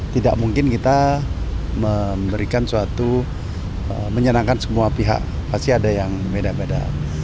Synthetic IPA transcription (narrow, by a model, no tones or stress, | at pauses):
t̪ida̰ʔ̚muŋkɪnkit̪a | məmbəɾikansuat̪u | əməɲənaŋkansəmuapiɦa̰ʔ | past̪iadajaŋbedabeda̰